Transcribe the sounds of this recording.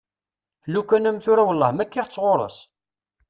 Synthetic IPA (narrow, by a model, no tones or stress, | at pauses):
lukːænæmθʊɾæwəlːəʁmækːiʁt͡sːʁoɾˤə̰s